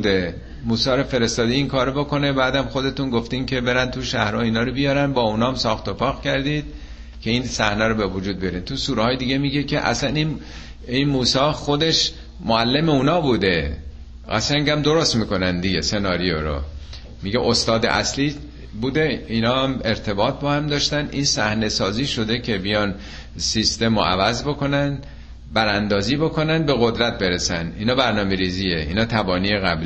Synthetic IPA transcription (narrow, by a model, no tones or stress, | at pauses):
d̪e | muːsɒːɾɔfe̞ɾe̞st̪ɒːd̪iiŋkʰɒːɾobo̞ko̞nebæːd̪æmxod̪e̞t̪unɡoft̪iːmcʰe̞be̞ɾændt̪ʰuʃæhɾɒːiːnɒːɾobijɒɾænbɒːunɒːmsɒːxt̪opɒːɣcʰæɾd̪iːd̪̥̚ | cʰe̞iːnsæhnæɾobevud͡ʒuːd̪̚bijɒɾiːnt̪ʰusuːɾehɒːjed̪iɡemiːɟekʰeʔæ̰sænin | inmuːsɒːxod̪e̞ʃ | moælːemeuːnɒːbuːd̪e | ɡæ̰sæŋɟæmd̪o̞ɾost̪miːko̞nænd̪iɡese̞nɒːɾijoɾo̰ | miɟeʔost̪ɒːd̪ḛʔæ̰sliː | buːd̪e̞iːnɒːæmeɾt̪ʰe̞bɒːt̪̚ʰbɒːhæmd̪ɒːʃt̪ænʔinsæhne̞sɒːziːʃo̞d̪e̞cʰe̞bijɒːn | sist̪e̞mo̰ʔæ̰væzbo̞kʰo̞nænd̪ | bæɾænd̪ɒːziːbo̞ko̞nænbe̞ɣod̪ɾæt̪̚be̞ɾesæniːnɒːbæɾnɒːmeɾiːziːeḭːnɒːt̪ʰæbɒːniːjeɣæbli